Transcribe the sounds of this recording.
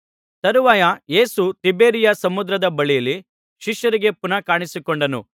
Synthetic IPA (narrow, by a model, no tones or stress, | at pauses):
t̪ɐɾuʋaːjɐje̞ːsut̪ibe̞ːɾijɐsɐmud̪ɾɐd̪ɐbɐɭijɐlːi | ʃiʃjɐɾiɡe̞punɐkaːɳisikoɳɖɐnṵ